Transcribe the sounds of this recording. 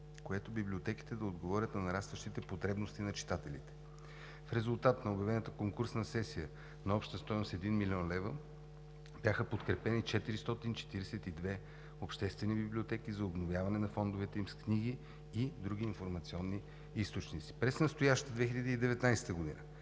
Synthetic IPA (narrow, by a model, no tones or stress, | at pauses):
koɛt̪obiblʲiot̪ɛki̥t̪ɛd̪ɐod̪ɡovɔɾʲət̪nɐnɐɾast̪vɐʃt̪it̪ɛpot̪ɾɛbnost̪inɐt͡ʃi̥t̪at̪ɛlḭt̪ɛ̥ | fɾɛzulˠt̪at̪nɐobjɐvɛnət̪əkoŋkuɾsnɐsɛsijə | nɐɔpʃt̪əst̪ɔjnost̪ɛd̪inmilʲiɔnlɛvə | b̥ʲjaxəpot̪kɾɛpɛnit͡ʃɛt̪iɾist̪ɔt̪int͡ʃɛ̥t̪iɾɛsɛt̪id̪vɛ | opʃt̪ɛst̪vɛnibiblʲiot̪ɛkizɐobnovjavɐnɛnɐfɔnd̪ovɛt̪ɛimskniɡiː | d̪ɾuɡ̟iːnfoɾmɐt̪siɔnːi | ist̪ot͡ʃnit̪si̥pɾɛsnɐst̪ojaʃt̪əd̪vɛxiləd̪iːd̪ɛvɛt̪najsɛ̥t̪əɡod̪ḭnə̰